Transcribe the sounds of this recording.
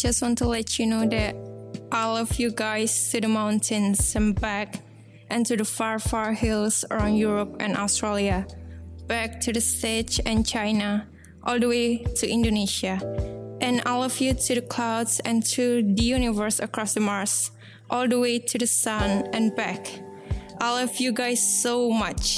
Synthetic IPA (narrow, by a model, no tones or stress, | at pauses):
d͡ʒʌstwɔ̃ntulɛt͡ʃunodɛt̚ʔɔlˠɔvjuɡaɪstʰudəmãʊ̃ntʰɨ̃nsə̃mbæk | ʔɛ̃ntudəfaɹfaɹhilˠsə̰ɹãʊ̃njuɹɔpɛ̰̃nʔɔ̰stɹeliab̥æk̚tʰudəstɛt͡ʃɛ̃nt͡ʃʰãɪna | ʔɔlˠdəweɪtʰuʔɪ̃ndoneʃaʔɨ̃naɪlʌvjʉtʰɨðəkʰl̥aʊdzɛ̃ntʰuðəjunɪvə˞səkʰɹ̥ɔsðəmaɹs | ʔɔlˠdəwetʰɨðəsʌ̃nɛ̃nbæk | ʔaɪlʌvjuɡaɪsːoʊmʌt͡ʃ